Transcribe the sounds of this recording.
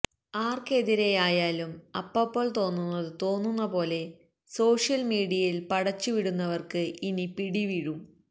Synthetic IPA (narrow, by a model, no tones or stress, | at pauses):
aːrke̞ðiɾejaːjaːlumɐpːɐpːoːɭt̪o̞ːnːunːɐðɨt̪o̞ːnːunːɐpo̞ːle̞ | so̞ːʂjɐlmiːɽijɐjilpɐɽɐt͡ɕːuʋiɽunːɐʋɐrkɨʔinipiɽiʋiɻum